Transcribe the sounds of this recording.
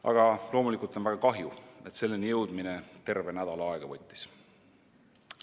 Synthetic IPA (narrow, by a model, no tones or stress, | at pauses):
ɑ̰ɡ̥ɑlo̞ːmulikˑult̪onvæɡ̥ɑkɑɦjue̞t̪se̞lːinjɤwd̪̥minet̪e̞rve̞næd̪̥ɑlɑɑeɡ̥ɑvɤt̪ʲːi̥s